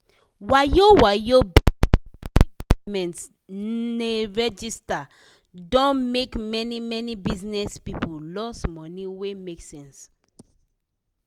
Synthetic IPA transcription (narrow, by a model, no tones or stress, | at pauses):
wajowajo | mɛ̃nts | neɹɛd͡ʒista | dɔ̃nmekmɛnimɛnibiznɛspipolɔsmɔniwemeksɛ̃ns